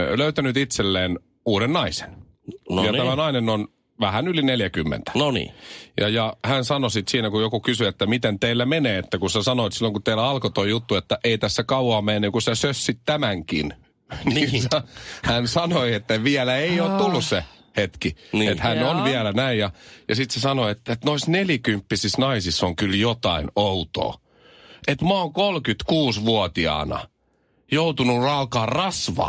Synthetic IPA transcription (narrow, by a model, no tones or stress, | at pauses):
løyt̪ænyt̪it̪selːeːn | uːɾennɑise̥n | njɑæmænɑinenon | ʋæhænylineljækymːḛnt̪æ̥nonḭːjɑjɑhænsɑnosit̪siːnækujokukysyet̪ːæmit̪ent̪eilːæmeneːet̪ːækunsesɑnoet̪silːoŋkut̪t̪eilːæɑlkot̪oijut̪ːuet̪ːæʔeit̪æsːækɑuɑːmːeenːeŋkusesøsːit̪t̪æmæŋkḭn | niisɑhænsɑnoiet̪ːæʋiælæeioːt̪t̪ulːusse | het̪kiniet̪hænonʋiælænæijjɑjɑsit̪sesɑnoet̪ːet̪noisneljikympːisisnɑisisːoŋkyljot̪ɑinout̪o̰ː | ʔet̪muɑoŋkolkyt̪kuːsʋuot̪iɑ̰ːnɑ̰ | jout̪unurɑukɑːrrɑsʋɑ̰ː